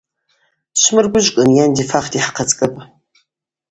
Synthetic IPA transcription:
ɕmɨrɡʷʊʒkʼɨnjɛndiːfaːχdiːħaqɐt͡sʼkʼɐpʼ

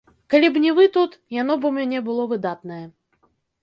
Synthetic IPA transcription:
kalʲibnʲivɨt̪ut̪jan̪ɔbɨumʲɛnʲɛbɨlˠɔvɨd̪at̪nɐjɛ

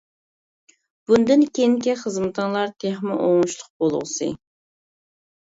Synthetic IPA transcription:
b̥und̪ɪnkʲeŋkʲɛχəzmɨt̪ʰɨŋlˠɑɾt̪ʰeχmɪʔoŋuʃlˠʊq̚bol̰ˠʁsɨ̰

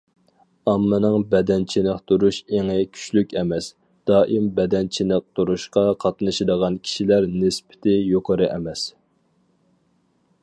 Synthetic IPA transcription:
ɑmːɨnɨŋbɛd̪ɛnt͡ʃʰinɪqt̪ʰuɾuʃeŋɪkʲʰy̥t͡ʃlykʲɛmɛs | d̪̥ɑːʔimbɛd̪ɛnt͡ʃʰinɪq̚t̪ʰuɾuʃqɑqʰɑt̪nɨʃɪd̪əʁɑnkʲʰi̥ʃilæɾnɪspɪ̥t̪ʰɪjoqʰəɾɨʔɛmɛs

